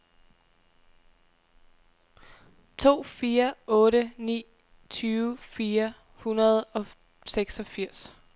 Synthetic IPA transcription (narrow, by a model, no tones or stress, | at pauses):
t͡sʰo̝̰ːfiːɐɔ̽ːɾənḭː | t͡sʰyːʊfiːɐ | hunɐð̞̩ˠɒ̽ | seɡ̥sɒ̽fiɐ̰s